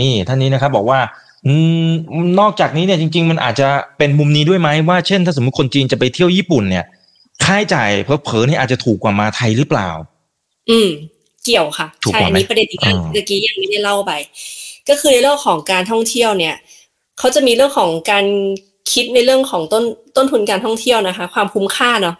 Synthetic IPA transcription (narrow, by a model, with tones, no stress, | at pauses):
niː˥˩t̪ʰaː˥˩nːiː˦˥na˦˥kʰp̚bɔː˨˩k̚waː˥˩ | ʔɯː˧nɔː˥˩k̚t͡ɕaː˨˩k̚niː˦˥ni˥ɐt͡ɕi˧ŋt͡ɕi˧ŋma˧nʔaː˨˩t̪̚t͡ɕa˨˩pe˧nmu˧mniː˦˥du˥˩əjma˦˥jwaː˥˩t͡ɕʰe˥˩nt̪ʰaː˥˩so˩˦˥t̪̚kʰo˧nt͡ɕiː˧nt͡ɕa˨˩pa˧jt̪ʰi˥˩əwjiː˥˩pu˨˩nːi˥˩ɐ | kʰaː˥˩jt͡ɕaː˨˩jpʰɤː˧˥pʰɤː˩˦n˥˩jaː˨˩t͡ɕa˨˩t̪ʰuː˨˩kːwaː˨˩maː˧t̪ʰa˧jɾɯː˦˥pla̰ː˨˩w | ʔɯː˧˩m | ki˨˩əwkʰa˦˥˩uː˨a˥˩˨a˧nniː˦˥pɾde˧nʔiː˧˩ka˧ɯ˧ka˧kiː˦˥ja˨˩ŋma˥˩da˥˩jla˥˩wpa˧jkɔː˥˩kʰɯː˧na˧jɾɯ˥˩əŋkʰɔː˩˦ŋkaː˧nt̪ʰɔ˥˩ŋt̪ʰi˥˩əwni˥˩ɐ | kʰa˦˥wt͡ɕa˨˩miː˧ɾɯ˥˩əŋkʰɔː˩˦ŋkaː˧n | kʰi˦˥t̪̚na˧jɾɯ˥˩əŋkʰɔː˩˦ŋt̪o˥˩nt̪o˥˩nt̪ʰu˧nkaː˧nt̪ʰɔ˥˩ŋt̪ʰi˥˩əwna˦˥kʰa˦˥kʰwaː˧mkʰu˦˥mkʰaː˥˩nɔ˦˥